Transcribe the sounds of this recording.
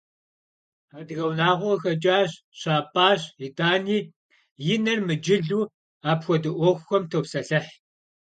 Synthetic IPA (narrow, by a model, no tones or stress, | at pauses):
adɨɣɐwnaːʁʷɔxɐt͡ʃʼaːɕ | ɕaːpʰʼaːɕitʼaːniː | jɪnɐrmɨd͡ʒɪɮuː | aːpxʷɔdɨʔʷɔxʷxʷɔmtʰowsɐɬɐħ